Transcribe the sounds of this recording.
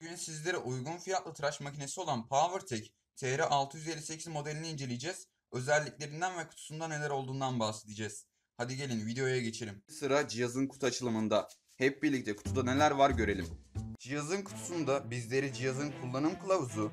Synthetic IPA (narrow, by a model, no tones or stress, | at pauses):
ynysizlʲe̞ɾiʔujɡunfijat̪lˠɯt̪ʰɾaʃmacʰine̞sio̞lˠanpʰavɯɾt̪ʰɛc | t̪ʰeɾɛʔalˠt̪ʰɯjyzelʲːise̞cʰizmo̞d̪elʲiniːnd͡ʒe̞lʲijd͡ʒɛz̥ | ø̞zælʲːicʲlʲe̞ɾind̪ænvɛkʰu̥t̪ʰu̥sund̪ane̞lʲæɾo̞lˠd̪uːnd̪anbahse̞d̪ʰid͡ʒɛz̥ | had̪iɟe̞lʲinvid̪e̞jojaɟe̞t͡ʃʰeɾʲimsɯɾad͡ʒijazɯnkʰu̥t̪ʰuat͡ʃʰɯlˠɯmɯnd̪a | hɛp̚biɾlʲic̚t̪ʰɛkʰu̥t̪ʰud̪ane̞lʲæɾvaɾɟø̞ɾe̞lʲimd͡ʒijazɯnkʰu̥t̪ʰu̥sund̪abizlʲe̞ɾid͡ʒijazɯnkʰulˠːanɯmkɯlˠavzu